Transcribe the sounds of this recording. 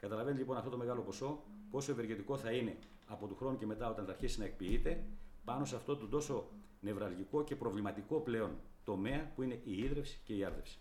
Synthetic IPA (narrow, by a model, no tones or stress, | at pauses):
kɐt̪ɐlɐvent̪ʎipo̞nɐft̪oto̞me̞ɣɐlo̞po̞so̞ | po̞so̞eve̞ɾʝet̪iko̞θɐine̞ | ɐpo̞t̪uxɾo̞nuce̞me̞t̪ɐo̞t̪ɐnθɐɾçisinɐe̞k̚piit̪e̞pɐno̞seɐft̪o̞t̪od̪o̞so̞ | ne̞vɾɐlʝiko̞ce̞pɾo̞vlimɐt̪iko̞ple̞o̞n | t̪o̞me̞ɐpuine̞ʔiiðɾe̞fsi̥ce̞iɐɾðefsi̥